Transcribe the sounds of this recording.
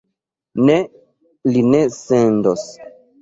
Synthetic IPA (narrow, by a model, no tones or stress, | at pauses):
ne | linesendos